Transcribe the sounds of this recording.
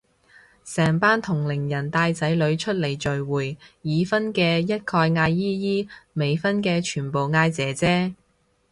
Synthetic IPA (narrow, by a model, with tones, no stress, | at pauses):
sɛː˨˩ŋpaː˥nt̪ʰʊ˨˩ŋlɪ˨˩ŋjɐ˨˩nt̪aː˧jt͡sɐ˨˥jlɵ˨˧ɥt͡ʃʰɵ˥t̚le˨˩jt͡ʃɵ˨ɥwuː˨˩jjiː˨˧fɐ˥nkɛː˧jɐ˥t̚kʰɔː˧jŋaː˧jːiː˥jiː˥me˨˧jfɐ˥nkɛː˧t͡ʃʰyː˨˩npo˨wŋaː˧jt͡sɛː˨˥t͡sɛː˥